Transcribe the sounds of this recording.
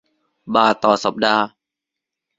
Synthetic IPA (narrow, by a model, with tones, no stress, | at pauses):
baː˧˩t̪ɔː˨˩sa˨˩˦p̚daː˧